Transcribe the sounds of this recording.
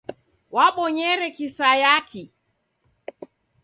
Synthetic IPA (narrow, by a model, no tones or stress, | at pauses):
waɓɔɲɛɾɛkisajakʰi